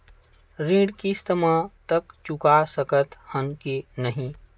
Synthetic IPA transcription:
ɾĩːɖkist̪əmãt̪əkt͡ʃʊkasəkət̪hə̃nkinəɦĩ

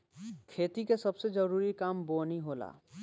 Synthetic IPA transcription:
kʰeːt̪ikesɐbsed͡ʒəɾuːɾikaːmboːniɦoːla̰ː

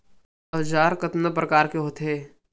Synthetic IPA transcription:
ɐʋd͡ʒaːɾkɐt̪nəp̬ɾɐkaːɾkeɦoːt̪ɦeː

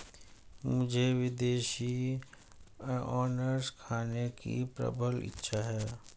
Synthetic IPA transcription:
mʊd͡ʒʱeʋɪd̪eːʃi | ɔːnəɾskʰaːnekḭpɾɐ̰bʱəlɪ̰tːʃʰaɦɛː

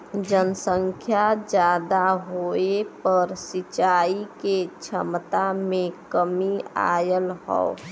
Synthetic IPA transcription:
d͡ʒənəsəŋkʰjad͡ʒjaːd̪aɦoepəɾsit͡ʃaiket͡ʃʰəmt̪amẽkəmia̰jəlɦɔ̰ʊ

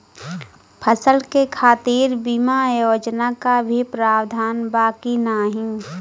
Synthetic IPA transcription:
pʰəsəlkekʰaːt̪iːɾbimajoːd͡ʒnakabʱipɾaːwd̪ʱaːnbaːkinaɦĩ

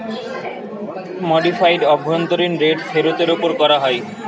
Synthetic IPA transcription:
moɖifajɖɔbʱːojont̪oɾinɾeɖfeɾot̪eɾopoɾkɔɾaɦɔe

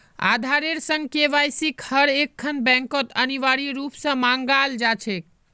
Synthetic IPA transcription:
a̰d̪ʱaɾeɾsə̃ŋɡ̚keʋajsikhəɾekʰːənbɛ̃ŋkət̪əniʋaɾiɾupsə̃mãŋɡald͡ʒat͡ʃʰek̚

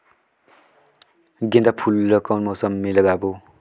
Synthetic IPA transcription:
ɡend̪apʰulːʌkʌwnmosʌmːilʌɡabo

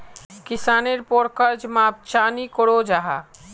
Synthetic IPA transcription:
kɪsaːneɾpoːɽkəɾd͡ʒmãp̚t͡ʃaːnikoɽod͡ʒaɦa

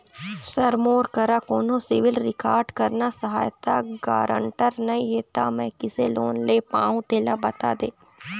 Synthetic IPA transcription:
səɾmoːɾkəɾaːkoːnõːsɪʋɪlɾɪkaːɾɖkəɾnaːsəɦa̰ːjt̪aɡa̰ːɾə̰ɳʈəɾnəĩːɦeːt̪aːmɛ̃ːkɪseːloːnleːpãːũt̪eːlaːbət̪a̰ːd̪eː

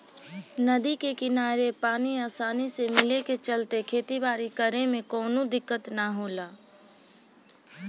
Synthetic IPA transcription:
nəd̪ikekɪnaːɾepaːniaːsaːnisemɪleket͡ʃəlt̪ekʰeːt̪ibaːɾikəɾemẽkɔːnod̪ɪkːət̪naɦoːlaː

